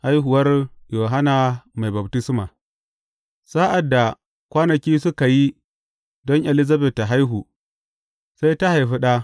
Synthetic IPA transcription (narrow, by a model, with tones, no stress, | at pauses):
ha˦jɦʊ˨wɐ˦rjoː˨ɦa˦na˨ma˨jbɐ˨btɪ˦smaː˨ | sa˦ʔa˨dːa˨ | kʷaː˦nɐ˨kʲiː˦sʊ˦ka˨ji˦ | dɔ˦ŋʔɛ˨lɪ˦za˦bɛ˨tːa˨ɦa˦jɦu˨ | sa˦jta˦ha˨jɸi˦ɗa˦